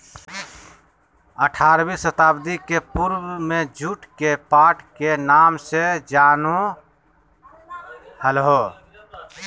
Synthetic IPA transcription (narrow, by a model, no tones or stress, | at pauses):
əʈʰaːɾbisət̪aːbd̪ikepuɾwmẽd͡ʒʱuʈkepaːʈkenaːmsed͡ʒaːno | həlɦo